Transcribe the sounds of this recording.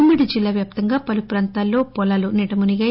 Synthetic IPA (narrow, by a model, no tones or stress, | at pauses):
mːiɽid͡ʒilːaːʋjaːp̚t̪ɐŋɡaːpɐlupɾaːnt̪aːlːo̞ːpɔlaːluniʈɐmuniɡɐ